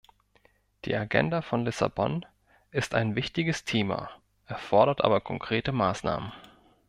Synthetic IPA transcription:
d̥ḭːaɡɛ̰ndafɔnlɪsa̰bɔn | ʔɪsta̰ɪnvɪçtɪɡəstʰeːma̰ | ʔɛɐfɔɐɾɐtʔa̰ːbɐkʰɔŋkʁ̥eːtəmaːsna̰ːmən

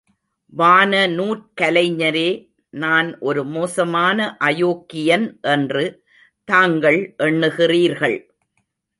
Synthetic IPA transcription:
ʋaːnɐnuːʈ̚kɐlɐɪɲːɐɾeː | naːnʔɔɾɯmoːsɐmaːnɐʔɐjoːkːɪjɐnʔɛndrɯ | t̪aːŋɡɐɭʔɛɳːɯɣɪriːɾɣɐɭ

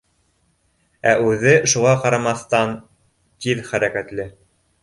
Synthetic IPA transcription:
æʔʉðɘʃuʁɑqɑɾɑmɑθt̪ɑn | t̪iðχæɾækæt̪lɘ

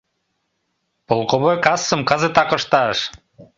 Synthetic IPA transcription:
polˠkŏβojkɑsːɤ̆mkɑzɤt̪ɑkɤ̆ʃt̪ɑʃ

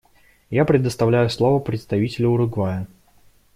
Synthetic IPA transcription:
japɾʲɪd̪əst̪ɐvlʲæjʊslˠovəpɾʲɪt̪st̪ɐvʲitʲɪlʲʊʊɾʊɡvajə

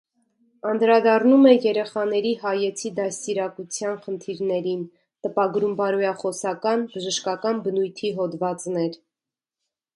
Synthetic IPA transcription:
ɑnd̪ɾɑd̪ɑrnumɛjɛɾɛχɑnɛɾiɦɑjɛt͡sʰid̪ɑsiɾɑkut͡sʰjɑnχənt̪ʰiɾnɛɾin | t̪əpɑɡɾumbɑɾujɑχɔsɑkɑnbəʒəʃkɑkɑnbənujt̪ʰiɦɔd̪vɑt͡snɛɾ

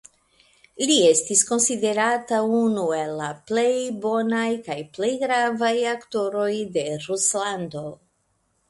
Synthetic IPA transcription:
lie̞stisko̞nside̞ɾataunue̞lːaple̞jbo̞najkajple̞jɡɾavajakto̞ɾo̞jde̞ɾuslando̞

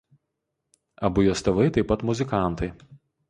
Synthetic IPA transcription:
ɐbʊjosʲt̪ʲɛʋɐɪt̪ɐɪpːɐt̪mʊzʲɪkɑˑnˑt̪ɐɪ

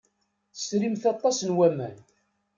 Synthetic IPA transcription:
θsɾimθɑt̪ˤːɑsnwæmæn

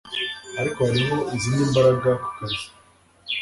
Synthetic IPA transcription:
aɾikohaɾimo̞iziniːmbaɾaɡakaɾ

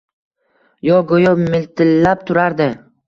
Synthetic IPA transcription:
jɒɡojʊmɪlt̪ʰɪlːap̚t̪ʰʊɾaɾd̪ɪ

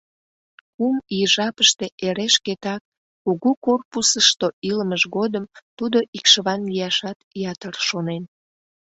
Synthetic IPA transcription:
kumiəʒɑpəʃt̪e̽ʔeɾeʃket̪ɑk̚ | kuɣukorpusəʃt̪oʔiləməʒɣod̪əmt̪ud̪oʔikʃəβɑnlijɑʃɑt̪jɑt̪ərʃonen

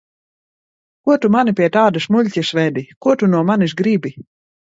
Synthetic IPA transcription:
kuɔt̪umanipʲiɛt̪aːd̪asmulʲcʲɨsvɛd̪ikuɔt̪unuɔmanisɡɾibi

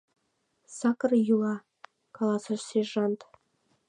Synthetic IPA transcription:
sɑkɤrjulˠɑ | kɑlˠɑsə̆ʃseʒɑnt̪

